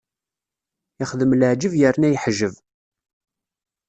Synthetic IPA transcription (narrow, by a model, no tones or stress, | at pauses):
ɪχðəmləʕd͡ʒəvjəɾnæjəħʒəv